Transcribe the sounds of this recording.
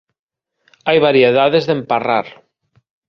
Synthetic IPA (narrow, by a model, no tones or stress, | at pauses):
ajβaɾjeðaðezðemparaɾ